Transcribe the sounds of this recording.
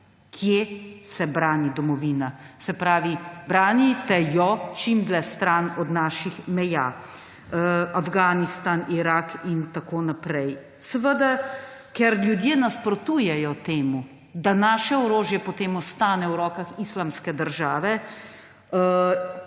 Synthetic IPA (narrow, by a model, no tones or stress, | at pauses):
kʰjesɛbɾaːnid̪ɔmɔʋiːnasɛpɾaːʋibɾaːnit̪ɛjɔt͡ʃimd̪lɛst̪ɾanɔd̪naːʃixmɛjaː | afɡaːnist̪aniɾakint̪akoːnapɾɛj | səʋəd̪akɛɾljud̪jeːnaspɾɔt̪uːjɛjɔt̪eːmu | d̪anaːʃɛɔɾoːʒjɛpɔt̪eːmɔst̪aːnɛwɾɔːkaxislamskɛd̪əɾʒaːʋɛ